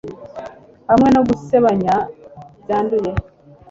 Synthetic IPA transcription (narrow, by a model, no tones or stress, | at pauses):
hamŋe̞noɡuseβaɲazaːnduje